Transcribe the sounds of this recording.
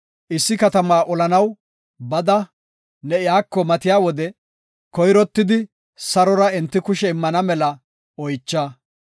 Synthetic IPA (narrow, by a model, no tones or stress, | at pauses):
ʔɪsːɪkɐt̪ɐmaːʔɔlɐnɐw | bɐd̪ɐ | nɛɪjaːkːɔmɐt̪ɪjaːwɔd̪ɛ | kɔjɾɔt̪ːɪd̪ɪ | sɐɾɔɾɐɛnt̪ːɪkʊʃɛɪmːɐnɐmɛlɐ | ɔjt͡ʃːa